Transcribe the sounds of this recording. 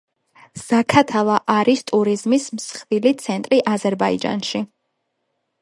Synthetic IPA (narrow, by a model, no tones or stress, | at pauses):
z̥akʰat̪ʰalˠaʔaɾist̪ʼuɾizmismsχvilit̪sʰɛnt̪ʼɾiʔazɛɾbaḭd͡ʒa̰nʃi